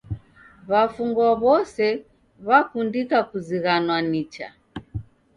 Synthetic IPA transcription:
βafuŋɡwɔβɔsɛ | βakundikakuziɣanwanit͡ʃa̰

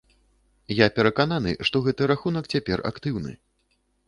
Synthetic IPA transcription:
japʲɛɾɐkananɨ̰ʂt̪ɔɣɛt̪ɨɾaxunɐkt͡sʲapʲɛra̰kt̪ɨwnɨ̰

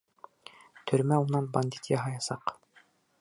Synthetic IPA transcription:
t̪ʰɵ̆ɾmæunɑnbɑnʲd̪ʲit̪jɑɦɑjɑsɑq

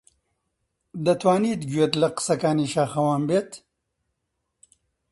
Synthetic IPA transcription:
d̪ɐt̪waːniːt̪ɡuet̪lɐqsɐkaːniɕaːxɐwaːmbet̪

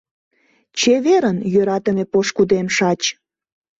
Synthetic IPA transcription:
t͡ɕeβeɾənjøɾɑt̪əmepoʃkud̪emʃɑt͡ɕ

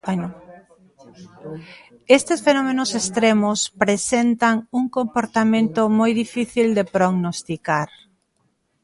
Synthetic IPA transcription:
bano | est̪esfenɔmẽnosest̪ɾemospɾesent̪aŋuŋkompoɾt̪amẽnt̪ʊmojðifiθild̪epɾoɣnost̪ikaɾ

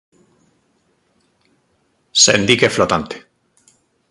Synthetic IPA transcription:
sḛnd̪ikeflot̪ant̪e̥

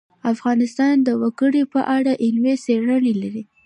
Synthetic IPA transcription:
afɣɑnɪst̪ɑnd̪əwəɡəɽipəʔaɽaʔɪnweseɽənelaɾi

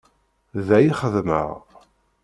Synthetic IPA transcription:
ðæjiχəðmə̰ʁ

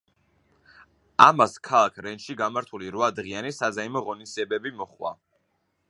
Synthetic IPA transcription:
amaskʰalˠakʰɾɛnʃiɡamaɾt̪ʰuliɾwad̪ʁianisazaimɔʁɔnisd̪ziɛbɛbimɔχwa̰

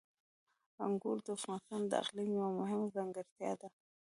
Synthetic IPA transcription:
a̰ŋɡuɾd̪əafɣɑnst̪ɑnd̪əa̰qlimwamʊɦɪmzaŋɡəɾt̪jɑ̰d̪a

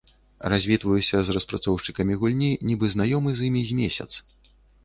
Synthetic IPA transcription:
razʲvʲit̪vɐjusʲɐzrɐspɾat̪sɔwʂt͡ʂɨkɐmʲiɣulʲnʲinʲibɨznajɔmɨzʲjimʲizʲmʲesʲɐ̰t̪s

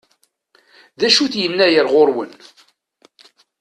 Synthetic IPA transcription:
ðæʃuθjənːæjəɾʁoɾwən

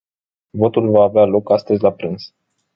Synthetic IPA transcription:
vo̞t̪ulvaːvealo̞kast̪əzʲlapɾɨns

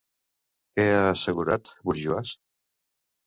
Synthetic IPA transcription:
kɛaːsəɣuɾat̪βuɾʒuas

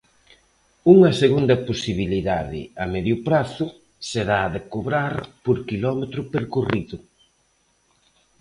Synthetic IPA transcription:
uŋɐseɣund̪ɐposiβ̞iliðaðɪ̰ɐmeðjʊpɾaθʊ | seðaːðekoβɾaɾpoɾkilɔmet̪ɾʊpeɾkuriðʊ

